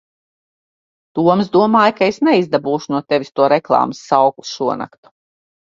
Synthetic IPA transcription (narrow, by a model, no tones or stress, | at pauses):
d̪̥uɔmzd̪uɔmaːjkaesnɛizd̪abuːʃunuɔt̪evʲist̪uɔɾeklˠɑ̰ːmsːawku̥sʃuɔna̰kt̪u̥